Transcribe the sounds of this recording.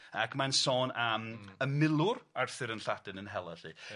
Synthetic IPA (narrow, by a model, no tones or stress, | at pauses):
akʰmansɔːnaməmɪlˠʊɾarθɨɾənɬadɨnənɦɛlˠɛɬḭ